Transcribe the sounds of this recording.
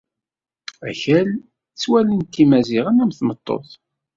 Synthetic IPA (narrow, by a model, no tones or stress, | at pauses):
æ̰çæl | t͡sːwælənt̪ːimæziʁənæmθmət̪ˤːo̰θ